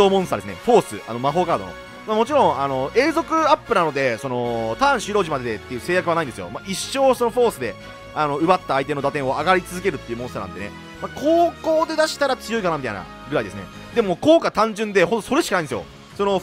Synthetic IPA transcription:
oːmõ̞sɨt̪adesɨnḛɸo̞ːsɨ̰a̰no̞maɦo̞ːkaːd̪ono̰ | mamo̞t͡ɕiɾõ̞ŋ̃ano̞e̞ːzo̞kɯ̟apːɯ̟nano̞d̪e̞so̞no̞t̪ãːɰ̃ɕiɾo̞ːʑimad̪ed̪et̪ːejɯ̟se̞ːjakɯβanaind̪esɨjo̞̰maʔiɕːo̞ːso̞no̞ɸo̞ːsɨd̪e̞ | ano̞ɯ̟bat̪ːaːit̪e̞no̞d̪at̪ẽ̞ɰ̃o̞aɡaɾʲit͡sɨzɨke̞ɾɯ̟t̪ːeiɯ̟mõsanãnt̪e̞ne | makʰo̞ːko̞ːd̪e̞d̪aɕi̥t̪aɾat͡sɨjo̞ikanamʲit̪a̰ina̰ | ɡɯ̟ɾaid̪esɨne̞̰ | d̪e̞moko̞ːkat̪ãɲ̟d͡ʑɨ̃nd̪e̞ɦod̪oso̞ɾe̞ɕi̥kanaid̪esjo̰ | so̞no

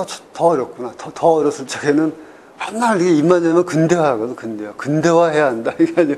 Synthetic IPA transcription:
t͡ɕtʌʌɾjʌp̚k͈unatʌtʌʌɾjʌs͈ɯt͡ɕ͈ʰaɡenɯn | mannːaɭiɡeimːaɲamjʌnkɯnde̞waɡʌdokɯndewakɯnde̞waɦe̞jaɦandaiɡead͡ʑi

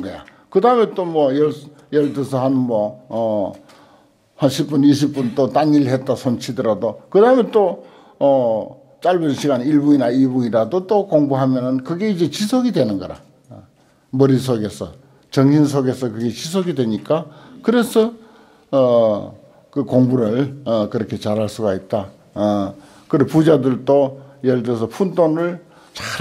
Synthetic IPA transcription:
ɡʌja̰ | kɯdaɯme̞t͈omwʌjʌɭ | jʌɭtesʰʌɦanmʌː | hanɕʰip͈̚uniɕ̬ʰip̚p͈unt͈ot͈aŋiɭɦe̞t̚t͈asʰont͡ɕʰidɯɾadokɯdaɯmet͈o | ʌ | t͡ɕ͈aɭbɯnɕʰiɡaniɭbuŋinaibuɲiɾadot͈okoŋbuɦamjʌnɯnkɯɡe̞id͡ʑe̞t͡ɕisʰoɡidwe̞nɯnɡʌɾa̰ | mʌɾisʰoɡe̞sʰʌ̰ | t͡ɕʌŋɕʰinsʰoɡe̞sʰʌkɯɡe̞t͡ɕis̬ʰoɡidwe̞ɲik͈akɯɾe̞sʰʌː | kɯkoŋbuɾɯɭkɯɾʌkʰe̞t͡ɕaɾɦaɭs͈uɡait̚t͈a | kɯɾepud͡ʑadɯɭt͈ojeɭdes̬ʰʌpʰundonɯɭ | t͡ɕa

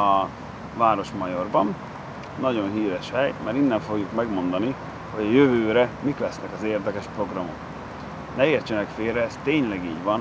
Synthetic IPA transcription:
ɒ | vaːɾo̞ʃmɒjo̞rbɒn | nɒɟo̞nɦiːɾɛʃhɛjmaːɾinːɛɱfo̞ɡjukmɛɡmo̞nd̪ɒni | ho̞ɟɒjøvøːɾɛmiklɛsnɛkɒzeːrd̪ɛkɛʃpro̞ɡrɒmo̞̰k | nɛeːrt͡ʃɛnɛkfeːrɛːst̪eːɲlɛɡiːɟvɒn

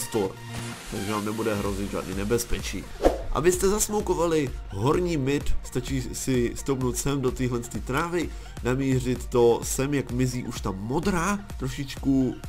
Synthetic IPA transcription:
st̪oɾ | t̪aɡʒɛnaːmnɛbudɛɦɾo̞zɪt̪ʒa̰ːdnḭːnɛbɛspɛt͡ʃḭːʔa̰bɪst̪ɛzasmowko̞valɪɦo̞ɾɲiːmɪt̪st̪at͡ʃiːsɪst̪owpnowt̪sɛmdo̞t̪iːɦlɛnst̪iːt̪ɾaːvɪ | namiːr̝ɪt̪ːo̞sɛmjakmɪziːʔuʃt̪amo̞dɾaː | t̪ɾo̞ʃɪt͡ʃku

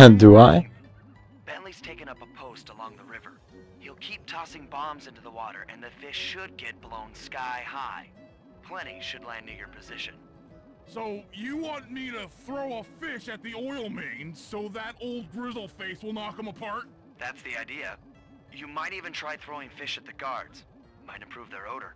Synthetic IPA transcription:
ɨ̃ndəaɪ | b̥ɛ̃nliz̥tʰeɪkɨ̃nʌpəpʰoʊstəlɔ̃ŋðəɹɪvə̰˞ | hilˠkʰip̚tʰɔsɪ̃ŋbɑ̃mzɪ̃ntʉðəwɔɾə̰˞ʔɨ̰̃nðɨfɪʃɨd̚ɡɛt̚b̥lõʊ̃nskaɪhaɪ | pʰl̥ɛ̃ɾ̃iʃɨdˡlaɪnɪɹjə˞pʰɨzɪʃɨ̰̃n | soʊjɨwɑ̃nmiɾɨθɹoʊəfɪʃɨt̪̚ðiɔɪl̩ˠmẽɪ̃nsoʊðəɾoʊlˠd̚ɡɹɪzl̩ˠfeɪswəlˠnət̚kʌ̃məpʰɑɹt̚ | ðætsðiaɪdiɨ | jɨmaɪɾivɨ̃ntʰɹ̥aɪθɹoʊɪ̃ŋfɪʃɨt̪̚ðɨɡɑɹdz̥ | mãɪ̃ɾɨ̃mpʰɹ̥uvðə˞oʊɾə̰˞

